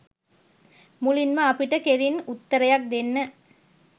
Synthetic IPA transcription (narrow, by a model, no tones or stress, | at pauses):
mulinmɐɐpiʈːɐkeɾinut̪ːɐɾɐjak̚d̪enːɐ